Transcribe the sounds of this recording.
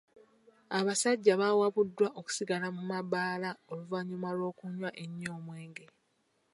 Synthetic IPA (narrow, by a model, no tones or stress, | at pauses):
aβasaɟːaβawaβudːwaʔoku̥siɡalamumabaːlao̞luvaɲumalo̞ːkuɲwaʔeɲːo̞ːmwe̞ːŋɡe̞